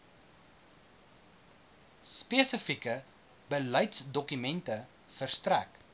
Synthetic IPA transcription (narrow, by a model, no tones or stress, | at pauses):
speəsəfikə | bələjtsdɔkymɛntə | fərstræk